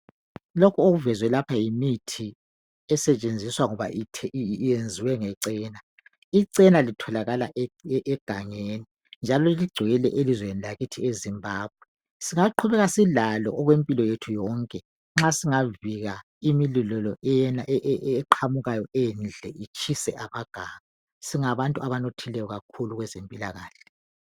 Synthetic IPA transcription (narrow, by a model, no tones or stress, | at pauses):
lokʰuoɣuvɛzwɛlapʰajimitʰi | ɛsɛt͡ʃʼend͡zʱiswaŋɔβa̰ʔitʰɛjend͡zʱiwɛŋɛǀɛːna | iǀɛnalitʰɔlaɣalaʔʔɛɡ̥ʱaŋeːni | nd͡ʒʱalɔiliɡ͡ǀ̥ʱɛɣɛlɛʔelizwenilaɣitʰiezimbʱaːb̚ʱwɛ | siŋaǃʰuβɛɣasilalɔ̰ʔɔɣwempʼilɔjetʰujɔːŋkʼɛ | ŋ͡ǁasiŋaviɣa | imililɔlɔɛjɛnaʔɛʔʔǃʰamuɣajɔɛnd͡ɮʱɛit͡ʃʰʼisɛʔaβaɡ̥ʱaːŋa | siŋaβantʼuaβanotʰilɛjɔɣakʰuluɣwɛzempʼila̰ɣa̰ːɬɛ̥